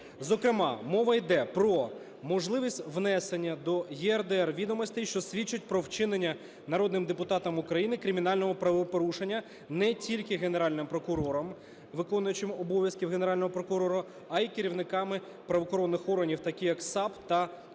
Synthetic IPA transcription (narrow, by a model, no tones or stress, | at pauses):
zɔkɾɪmɑ̰mɔʋɐjd̪ɛpɾɔ | mɔʒlˠɪʋʲisʲtʲʋnɛsenʲːɐd̪ɔjɛɛrd̪eɛrʋʲid̪ɔmɔsʲt̪ejʃt͡ʃɔsʲʋʲit͡ʃːʊt̚ʲpɾɔwt͡ʃɪnenʲːɐ | nɐɾɔd̪nɪmd̪epʊt̪ɑt̪ɐmʊkɾɐjinɪkɾʲɪmʲin̪ɑlʲnɔɦɔpɾɐʋpɔɾuʃenʲːɐ | nɛtʲilʲkɪɦene̞ɾɑlʲnɪmpɾɔkʊɾɔɾɔm | ʋɪkɔnʊjʊt͡ʃɪmɔbɔʋʲjɐskʲiwɦeneɾɑlʲnɔɦɔpɾɔkʊɾɔɾʊ | ɐikeɾʲiwnɪkɑmɪ | pɾɐʋɔxɔɾɔnːɪxɔrɦɐnʲiwt̪ɐkʲijɐksɑpt̪ɐ